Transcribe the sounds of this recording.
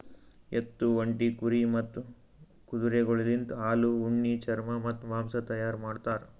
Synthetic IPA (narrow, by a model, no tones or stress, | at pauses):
et̪ːuʋɐɳʈikuɾimɐt̪ːu | kud̪uɾeɡɔɭilint̪aːluuɳːit͡ʃɐɾmɐmɐt̪ːʋaːmsɐt̪ɐjaːɾmaːɖt̪aːɾ